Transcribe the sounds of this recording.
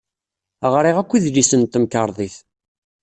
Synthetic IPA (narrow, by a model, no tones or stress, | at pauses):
ʁɾˤiʁækʷːiðlisənt̪ːəmkəɾˤðˤiθ